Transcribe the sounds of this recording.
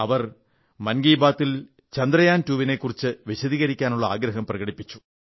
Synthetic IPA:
ɐʋɐr | mɐnɡiːbaːt̪ːil | t͡ɕɐnd̪rɐjaːntuːʋinekːurit͡ɕːɨʋiɕɐðiːɣɐɾikʲːaːnuɭːɐa̰ːɡɾɐɦɐmprɐɣɐɽipːit͡ɕːu̥

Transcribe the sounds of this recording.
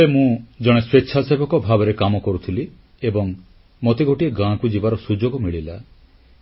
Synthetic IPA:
bemũd͡ʒɔɽ̃esweʃʰasebɔkɔbʱabeɾekamɔkɔɾut̪ʰili | ebɔŋ | mot̪iɡʱoʈieɡãkud͡ʒibaɾɔsud͡ʒoɡɔmiɭila

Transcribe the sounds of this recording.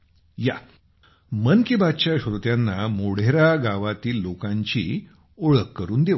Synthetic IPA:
ja | mənkebat̪t͡ɕaɕɾut̪janːamoɽ̤eɾaɡaʋat̪iːlːokãɲt͡ɕḭː | oɭəkːəɾuːnd̪e

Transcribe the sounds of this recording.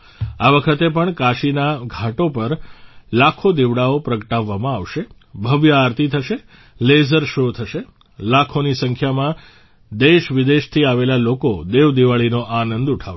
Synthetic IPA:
aʋəkʰət̪epəɳkaʃinaɡʱaʈopəɾlakʰod̪iʋɽaopɾəkəʈaʋːamãaʋʃe | bʱəʋjəaɾt̪it̪ʰəʃe | lezəɾʃot̪ʰəʃe | lakʰonisə̃ŋkʰjamã | d̪eʃʋɪd̪eʃt̪ʰiaʋelalokod̪eʋd̪iʋaɭinoʔanənd̪uʈʰa

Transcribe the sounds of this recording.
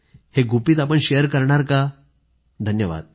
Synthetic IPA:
heɡʱupiːt̪apəɳɕejəɾkəɾɳaɾka | d̪ʱənjəʋa̰d̪̚

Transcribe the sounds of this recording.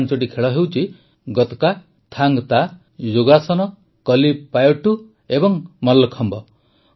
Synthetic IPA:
nt͡ʃoʈikʰeɭɔɦewt͡ʃʰi | ɡɔt̪ɔ̥ka | t̪ʰaŋɡt̪a | joɡasɔnɔ | kɔlipajɔʈu | ebɔŋmɔlːɔkʰɔmbɔ

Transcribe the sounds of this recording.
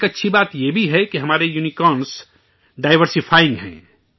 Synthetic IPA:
kɐtːʃʰibaːt̪jebʱiɦɛkiɦɐmaːɾejunikɔːns | ɖaːɪʋəɾsipʰaːɪ̃ŋɡɦɛ̰̃ː

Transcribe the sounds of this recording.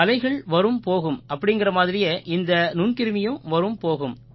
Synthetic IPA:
ɐlɐɪɣɐɭʋɐɾɯmpoːɣɯmɐpːɐɽɪŋɡɪrɐmaːðɪɾɪjɐʔɪnd̪ɐnʊɳkɪɾɯmɪjɯ̃mʋɐɾɯmpoːɣɯm

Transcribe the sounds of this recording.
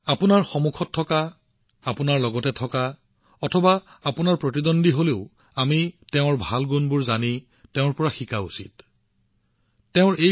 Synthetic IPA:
apunaɹxɔmukʰɔtʰːɔka | apunaɹlɔɡɔtɛtʰɔka | ɔtʰɔbaapʊnaɹpɹotidondiɦoleʊ | amiteʊ̃ɹbʱalɡunbʊɹzani | teʊ̃ɹpɔɹaxikaṵsḭt | eʊ̃ɹej

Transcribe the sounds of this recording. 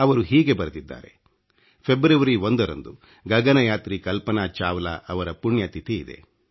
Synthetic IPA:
ɐʋɐɾuɦiːɡe̞bɐɾud̪id̪ːa̰ːɾe̞̰ | pʰebɾɐʋɐɾiond̪ɐɾɐ̰nd̪u | ɡɐɡɐnɐjaːt̪ɾikɐlpɐnaːt͡ʃaːʋɐla̰ɐʋɐɾɐpuɳjɐt̪it̪iːd̪e̞̰

